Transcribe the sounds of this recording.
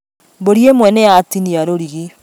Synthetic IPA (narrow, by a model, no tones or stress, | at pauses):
boɾiemwɛnɛatiniaɾoɾiɣe